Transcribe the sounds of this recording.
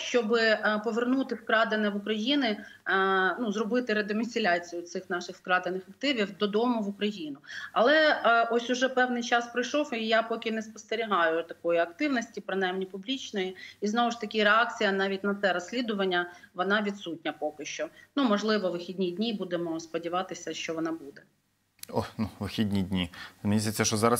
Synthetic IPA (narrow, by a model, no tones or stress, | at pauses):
ʃt͡ʃɔbɪpɔʋernut̪ɪfkɾɑd̪enɛʋʊkɾɐjinɪ | nuzrɔbɪt̪ɪɾed̪ɔmʲisʲɪlʲat͡sʲijʊt̪sɪxn̪ɑʃɪxfkɾɑd̪enɪxɐkt̪ɪʋʲiwd̪ɔd̪ɔmʊʋʊkɾɐjin̪ʊɐlˠɛʔɔsʲʊʒɛpɛwnɪjt͡ʃɑspɾɪjʃɔwijapɔkʲɪnɛspɔ̥st̪eɾʲiɦɑjʊt̪ɐkɔjiɐkt̪ɪwnɔsʲtʲipɾɪnajmnʲipʊblʲit͡ʃnɔjiiznɔʋʊʃt̪ɐkʲiɾeɑk̚t͡sʲijɐnɑʋʲitʲnɐt̪sɛɾɔsʲlʲid̪ʊʋɐnʲːɐʋɔnɑʋʲit̪sut̚ʲnʲɐpɔkɪʃt͡ʃɔnumɔʒlˠɪʋɔʋɪxʲidʲnʲidʲnʲibud̪emɔspɔdʲiʋɑt̪ɪsʲɐʃt͡ʃɔʋɔnɑbud̪ɛ | ɔnuʋɪxʲidʲnʲidʲnʲimʲizʲet͡sʲːɐʃɔzɑɾɐs